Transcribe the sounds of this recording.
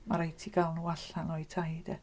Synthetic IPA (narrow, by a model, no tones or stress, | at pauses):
maɾajtʰiɡalˠnuwaɬanɔɨtʰajd̥ɛ